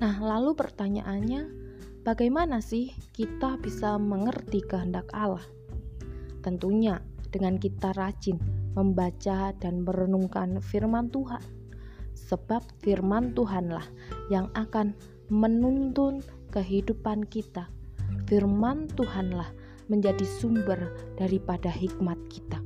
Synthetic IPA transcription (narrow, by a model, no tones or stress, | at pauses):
nahlalupərt̪aɲa̰ʔanɲa | b̥aɡajmanasɪhkit̪abisaməŋərt̪ikəɦəndakalah | t̪ənt̪uɲad̥əŋankit̪aɾad͡ʒɪnməmbat͡ʃadanməɾənuŋkanfirmant̪uɦan | səb̥ap̚firmant̪uɦanlah | jaŋakan | mənunt̪ʊn | kəɦidupankit̪afirmant̪uɦanlah | məɲd͡ʒadisumbərd̥aɾipadaɦik̚mat̪̚ki̥t̪a